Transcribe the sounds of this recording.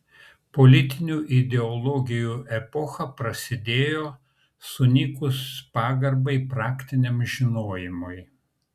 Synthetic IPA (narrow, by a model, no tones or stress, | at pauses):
pɔlʲɪt̪ʲɪnʲuːʔɪd̪ʲɛɔlˠɔɡʲɪjuːʔɛpɔxɐpɾɐsʲɪd̪ʲeːjoː | sʊnʲɪkʊspɑːɡɐɾbɐɪpɾɑːkʲt̪ʲɪnʲemʒʲɪnoːjɪmʊɪ